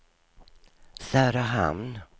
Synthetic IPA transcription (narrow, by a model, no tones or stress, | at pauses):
sæːɾaɦa̰mn